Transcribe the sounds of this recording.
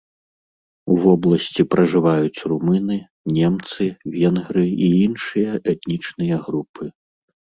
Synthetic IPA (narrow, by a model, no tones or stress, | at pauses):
uvɔblˠɐsʲt͡sʲipɾɐʐɨvajut͡sʲrumɨnɨ | nʲɛmt̪sɨvʲɛnɣɾɨiinʂɨjɐʔɛt̪nʲit͡ʂnɨjɐɣɾupʰɨ